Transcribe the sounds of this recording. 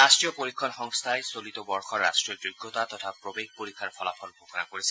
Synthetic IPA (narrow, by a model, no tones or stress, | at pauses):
astɹijɔpoɹikʰːɔnxɔŋst̪ʰajsolit̪ɔbɔɹxɔɹːastɹiɔd͡ʑoɡːɔt̪at̪ɔtʰapɹobeɡ̚poɹikʰːaɹpʰɔlapʰɔlbʱoxʰɔna̰koɹisɛ